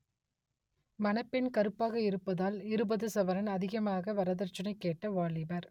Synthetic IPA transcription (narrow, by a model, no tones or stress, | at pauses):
mɐnɐpːɪnkɐɾɯpːaːɣɐɪɾɯpːɐðaːlɪɾɯbɐðɯsɐʋɐɾɐnɐðɪɣɐmaːɣɐʋɐɾɐðɐɾt͡ʃːɐnɐɪkːeːʈːɐʋaːɭɪbɐɾ